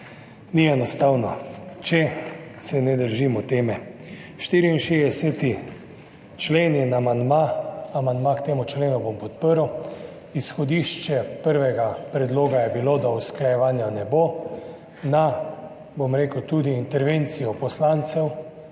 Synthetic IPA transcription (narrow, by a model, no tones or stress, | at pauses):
niɛnɔst̪awnɔt͡ʃɛsɛnɛd̪əɾʒimɔt̪eːmɛ | ʃt̪iːɾiinʃed̪ɛsɛt̪i | t͡ʃleːnjɛnamand̪maamand̪makt̪eːmut͡ʃleːnubompɔt̪̚pəɾw | isxɔd̪iʃt͡ʃɛpəɾʋɛɡapɾɛd̪loːɡajɛbilod̪ausklajɛʋaːnjanɛbo | na | bomɾeːkwt̪uːd̪iːnt̪ɛɾʋent̪sijɔpɔslant̪sɛw